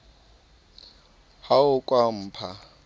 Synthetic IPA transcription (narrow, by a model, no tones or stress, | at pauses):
haʊkʼwam̩ːpʰa